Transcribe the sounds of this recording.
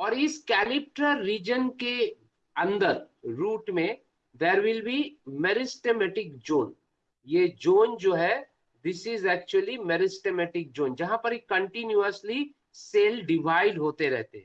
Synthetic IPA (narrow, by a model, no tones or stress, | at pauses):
ɔːɾɪskɛːlɪp̚ʈəɾiːd͡ʒənke | ɐ̃nd̪əɾ | ɾuːʈmẽ | d̪eːɾʋɪlbimɛɾɪsʈemɛʈɪkd͡ʒõːn | jed͡ʒoːnd͡ʒoːɦɛ | d̪ɪsɪzɛːk̚t͡ʃuəlimɛɾɪsʈemɛʈɪk̚d͡ʒõːnd͡ʒɐɦãpɐɾekə̃ɳʈɪnjuəsli | seːlɖɪʋaːɪɖɦoːt̪eɾɛ̰ɦt̪eɦɛ̃